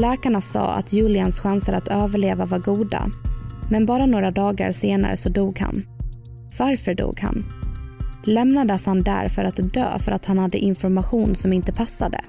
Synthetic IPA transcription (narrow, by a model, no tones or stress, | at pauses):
lɛːkaɳasɑ̰ːa̰t̪ʰjʉːlɪansɧansəɾat̪ʰøːvəɭeːvavaɾɡuːd̪a̰mɛnbɑːɾanoːɾad̪ɑːɡa̰ɾseːna̰ɾə̰sɔd̪uːɡha̰n | vaɾfœɖṵːɡha̰n | lɛmnad̪əshand̪æ̰ɾfœɾat̪d̪ø̰ːfœɾat̪hanhad̪ːə̰ʔɪnfɔɾmaɧuːnsɔmɪnt̪əpʰasːad̪ə̰